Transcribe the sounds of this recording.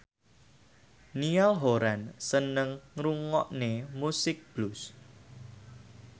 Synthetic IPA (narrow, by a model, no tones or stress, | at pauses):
nialɦoɾansənəŋɾuŋɔʔnemusɪk̚b̥lʊs